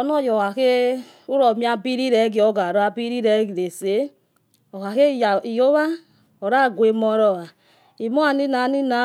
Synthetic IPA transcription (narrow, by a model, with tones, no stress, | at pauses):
ɔ˨nɔ˦˨jɔ˨a˨ke˦ | u˦ɾɔ˨mi˦a˧bi˦ɾi˦ɾɛ˨˦ɡi˨˦ɔ˦ɡa˨ɾɔ˦a˧bi˦ɾi˦ɾɛ˦ɡi˨e˨se˨˦ | ɔ˨ha˨ke˦˨ja˨i˨jo˦βa˦ | ɔ˨ɾa˦˨ɡʷe˧mɔ˦ɾɔ˨a˨ | i˨mɔ˦a˨ni˦na˨˦ni˦na˨˦